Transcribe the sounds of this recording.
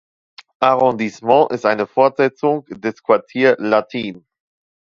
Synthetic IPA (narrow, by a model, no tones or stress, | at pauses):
ʔaʁɔ̃ndismɑ̃ʔɪstʔaɪnəfɔɐtz̥ɛt͡sʊŋd̥ɛskv̥aɐtʰiːɐlatʰiːn